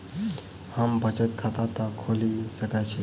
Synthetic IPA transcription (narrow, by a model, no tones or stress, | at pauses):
hambət͡ʃət̪̚kʰat̪at̪akʰolisəkajt͡ɕʰi